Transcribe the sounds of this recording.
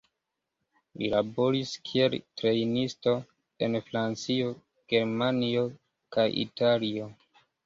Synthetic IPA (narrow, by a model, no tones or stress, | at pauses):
lḭlabo̞ɾiskʰie̞ltɾe̞jnisto̞ | enfɾant͡sio̞ | ɡ̥e̞ɾmanio̞ | kajḭtalio̞